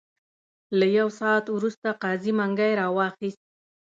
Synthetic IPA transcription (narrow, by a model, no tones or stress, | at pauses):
lajawsɑːt̪wɾust̪aqɑzimaŋɡajɾɑwɑxist̪̚